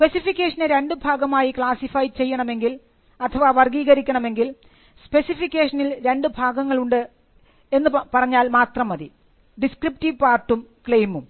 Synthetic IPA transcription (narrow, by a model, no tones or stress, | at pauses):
spesifikʲːeːʂɐneɾe̞ɳɖɨbʱaːɡɐmaːjikɭaːsifɐjt͡ɕe̞jːɐɳɐme̞ŋɡil | ɐt̪ʰːɐʋaʋɐrɡiːɣɐɾikʲːɐɳɐme̞ŋɡil | spe̞sifikʲːe̞ːʂɐnilɾe̞ɳɖɨbʱaːɡɐŋːɐɭuɳɖɨ | e̞nːɨpɐrɐɲːaːlmaːt̪rɐmɐði | ɖiskrip̚tiʋpaːrʈːumkɭejmum